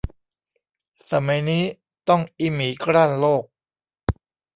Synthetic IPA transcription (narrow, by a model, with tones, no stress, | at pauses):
sa˨˩˦ma˨˦jniː˦˥ | t̪ɔ˥˩ŋʔi˦˥miː˩˦kɾaː˥˩nloː˥˩k̚